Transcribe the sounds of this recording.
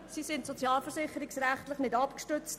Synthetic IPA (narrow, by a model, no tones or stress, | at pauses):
sisɪntsot͡sjɑːlfəɾsɪχːəɾɪksɾæχtləχnɪdɑpkʃtʏt͡st